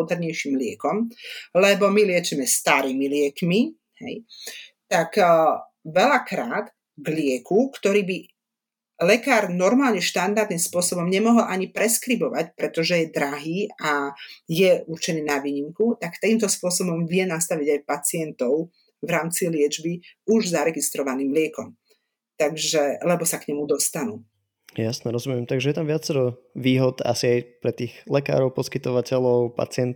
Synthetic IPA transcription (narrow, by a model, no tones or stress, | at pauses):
ɔd̪ɛɾɲɛjʃimlɪɛkɔmlɛbɔmilɪɛt͡ʃɛmɛst̪aɾiːmilɪɛkmi | hɛ̰jt̪ak | ʋɛlakɾaːd̪ | ɡlɪɛkʰukt̪ɔɾiːbi | lɛkaːɾnɔɾmaːlɲɛʃt̪and̪aɾd̪nimspʊɔsɔbɔmɲɛmɔɦɔlʔaɲipɾɛskɾibɔʋacpɾɛt̪ɔʒɛjɛd̪ɾaɦiːajɛuɾt͡ʃɛniːnaʋiːɲimkut̪akt̪akiːmt̪ɔspʊɔsɔbɔmʋɪɛnast̪aʋiɟajpat͡sɪɛnt̪ɔʊ | ʋɾaːmt͡silɪɛd͡ʒbiuʒzaɾɛɡist̪ɾɔʋaniːmlɪɛkɔm | t̪aɡʒɛlɛbɔsakɲɛmud̪ɔst̪anu | jasnɛɾɔzumɪɛmt̪aɡʒɛjɛt̪amʋɪat͡sɛɾɔʋiːɦɔd̪a̰siajpɾɛt̪iːɣlɛka̰ːɾɔʊpɔskit̪ɔʋacɛlɔʊpa̰t͡sɪɛnt̪